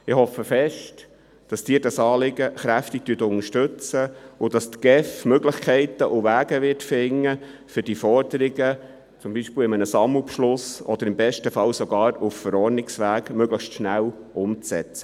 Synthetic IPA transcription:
ɪhɔfəfɛʃt | d̥ɑsd̥iːdɑsɑːlɪɡəχɾæftɪk̚t̪yətʊnəʃtɵt͡səʊd̥ɑstɡ̥ɛfmøɡlɪχkʰɛɪt̪əʔʊʋæːɡ̥əʋɪtfɪŋːə | fʏd̥ifɔrdəɾɪɡə | t͡sʊmbiʃpiːwɪmənəsɑmupʃlʊsɔd̥̪əɾɪmbɛʃtəfɑwsɔɡɑːɾuffəɾɔːɾnɪksʋæːɡmøɡləχʃtʃnæw | ʔʊmt͡sɛ̰t͡sə̥

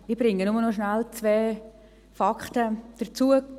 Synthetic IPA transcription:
ibɾɪŋːənʊmənɔʃnalt͡sveː | fɑktəd̥ət͡suə

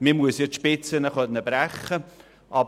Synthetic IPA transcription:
mɪmuəsjɔtʃpɪt͡sənəχœnːəbɾæχə | ʔɑb

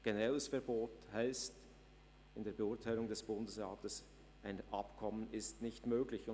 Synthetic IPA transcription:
ɡ̥enɛʁɛləsfɛɐboːthaɪst | ɪndeːɐbeʊɐtʰaɪlʊŋdɛsb̥ʊndəsʁɑːtəs | ʔaɪnʔɑpkʰɔmənɪstnɪçtmøːɡlɪçʊ

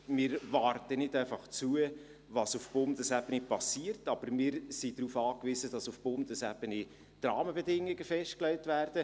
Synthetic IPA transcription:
mɪːɾvɑːɾtənɪdæɪfɑχt͡suə | vɑsufb̥ʊndəsæbənipɑsiːərtɑb̥əɾmɪːɾsidɾuːfɑːkviːzəd̥ɑsufb̥ʊndəsæb̥əni | d̥rɑːməbɛdɪŋːɪɡəfɛʃt̚klɛɪtvæːrd̥ə

